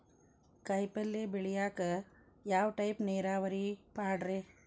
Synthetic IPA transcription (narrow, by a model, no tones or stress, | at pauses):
kɐjpɐlːeːbiɭijaːkɐ | jaːʋʈɐjpneːɾaːʋɐɾipaːɖɾeː